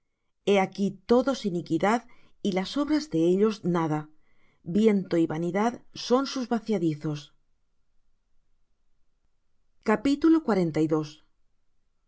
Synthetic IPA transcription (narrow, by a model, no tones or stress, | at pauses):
e̞akit̪o̞ðo̞sinikiðað | ilaso̞βɾazðe̞eʎo̞znaða | bje̞nt̪o̞iβaniðaðso̞nsuzβaθjaðiθo̞s | kapit̪ulokwaɾe̞nt̪ajðo̞s